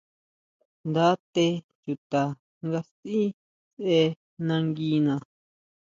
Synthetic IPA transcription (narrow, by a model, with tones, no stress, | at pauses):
nd̪a˦t̪e˧ | t͡ʃu˨t̪a˨ | ŋɡa˧si˦ | se˧ | nã˧ŋɡi˧˦nã˨